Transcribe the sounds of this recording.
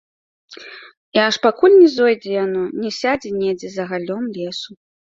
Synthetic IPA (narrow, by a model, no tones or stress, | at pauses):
iaʂpakulʲnʲɛzɔjd͡zʲɛjanɔnʲɛsʲad͡zʲɛnʲɛd͡zʲɛzɐɣalʲɔmlʲɛsu